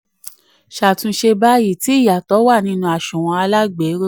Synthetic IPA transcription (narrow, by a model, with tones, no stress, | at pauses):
ʃa˨tũ˧˦ʃe˧ba˦ji˦˨ti˨˦i˦˨ja˨tɔ˨˦wa˦˨nĩ˧˦nũ˧a˨ʃũ˨w̃ɔ̃˧a˧la˦ɡ͡be˨˦ɾo˦